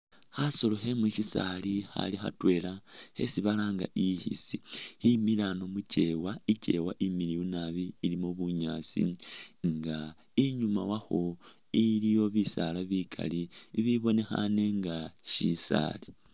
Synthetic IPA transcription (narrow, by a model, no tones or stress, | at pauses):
xaso̞lo̞xemuʃisalixa̰lixa̰twe̞ːlahe̞̰siβalaŋɡa̰ʔihḭsihimilano̞muce̞waice̞̰waʔimiliunaβiːlimoβuɲaːt͡sḭŋɡa | iɲumawaxo̞ | ilijo̞βisalaβikʰa̰liβiβo̞ne̞xa̰neŋɡaʃisa̰ːli